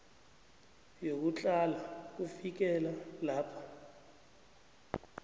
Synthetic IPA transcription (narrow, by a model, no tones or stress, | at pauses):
jok̬ut͡ɬʼalak̬ufik̬ɛlalaːpʰḁ